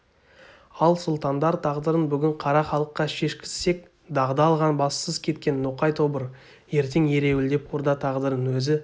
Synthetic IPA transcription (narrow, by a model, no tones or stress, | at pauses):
ɑlˠsʊlˠt̪ɑnd̪ɑɾt̪ʰɑʁd̪əɾənbʏɡʲɪɴqʰɑɾɑχɑlˠəqːɑʃe̞ʃkʲɪ̥sse̞k̚ | d̪ɑʁd̪ɑːlˠʁɑnbɑssəz̥kʲʰe̞t̪̚kʲe̞nːoqɑjt̪ʰo̞bəɾ | je̞ɾt̪e̞ŋje̞ɾe̞wɪld̪e̞pʰoɾd̪ɑt̪ʰɑʁd̪əɾənwɵzɪ